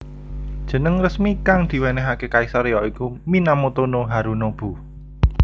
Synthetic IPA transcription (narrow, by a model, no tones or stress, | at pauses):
d̥ʒ̥ə̤nəŋrəsmikaŋd̪̥i̤wɛnɛɦakekaisaɾejɔikuminamot̪onoɦaɾunob̥ṳ